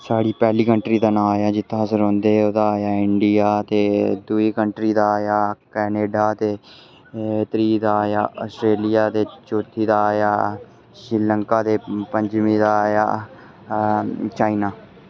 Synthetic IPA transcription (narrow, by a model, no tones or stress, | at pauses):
saːɽiːpɛːliːkəɳʈɾiːd̪aːnãːjaːd͡ʒɪt̪ʰːãːzəɾõːnd̪eːoːd̪aːjaːɪɳɖɪjaːt̪eːd̪ʊiːkəɳʈɾiːd̪aːjaːkɛːneːɖaːt̪eː | t̪ɾiːd̪aːja̰ːʔɔːsʈɾeːlɪjaːt̪eːt͡ʃoːt̪ʰːiːd̪aːjaː | ʃɾɪləŋkaːd̪eːpəɲd͡ʒmĩːd̪aːja̰ː | t͡ʃaːinaː